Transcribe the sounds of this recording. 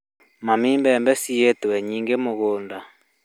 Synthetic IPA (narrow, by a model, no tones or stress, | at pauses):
mamimbɛmbɛsietwɛɲiŋɡemoɣonda